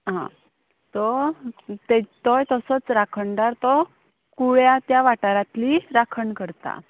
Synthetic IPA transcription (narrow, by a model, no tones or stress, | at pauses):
ɦã̰ | t̪ɔ | t̪et̪ɔjt̪əsət͡sɾakʰəɳɖaɾt̪ɔ | kuɭjat̪jaʋaʈaɾat̪liɾakʰəɳkəɾt̪a̰